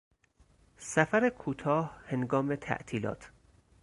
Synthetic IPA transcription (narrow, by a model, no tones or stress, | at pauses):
sæfæɾekʰuːt̪ʰɒːhhe̞nɡɒːme̞t̪ʰæ̰ʔt̪ʰiːlɒ̰ːt̪ʰ